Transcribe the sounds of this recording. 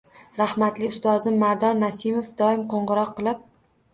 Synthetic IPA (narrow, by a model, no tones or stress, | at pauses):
ɾahmat̪lɪʊst̪ɒzɪmːaɾd̪ɒnːasɪmofd̪ɒɪmqʰoɴʁɨɾɒqːɨlˠɪp̚